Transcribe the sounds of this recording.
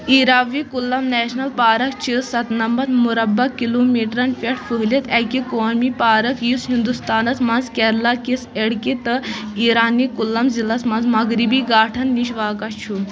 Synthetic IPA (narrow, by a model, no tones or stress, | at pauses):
iːɾaʋikulːɐmnɛːʃnɐlpaːɾɐkt͡ʃʰisɐt̪nɐmbɐt̪muɾɐbːɐkːiloːmiːʈɾɐnpeʈʰfɨɦlit̪ɛkikoːnmipaːɾɐkʰjisɦind̪ust̪aːnɐsmɐnzkʲɛɾlakiseɽkit̪ɨiːɾaːnikulːɐmzilɐsmɐnzmɐɡɾibiːɡaːʈʰɐnːiʃʋaːkɐt͡ʃʰu